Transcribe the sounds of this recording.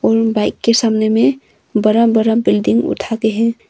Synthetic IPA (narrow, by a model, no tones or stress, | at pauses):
ɔɾbaɪkːesamneme | bəɾəmbəɾəmbilɖiŋɡṵt̪ʰakeɦɛ̃